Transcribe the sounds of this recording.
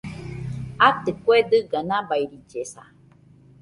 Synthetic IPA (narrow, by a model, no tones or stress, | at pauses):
at̪ekʷwed̪ɨɡanãbaiɾid͡ʒesa